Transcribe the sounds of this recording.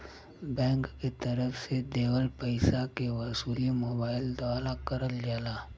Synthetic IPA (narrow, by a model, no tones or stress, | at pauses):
bɛ̃ːŋkːet̪ɐɾəfsed̪eːwəlpəɪsakewɐsuːlimoːbaːɪld̪aːlakɐɾəld͡ʒaːlaː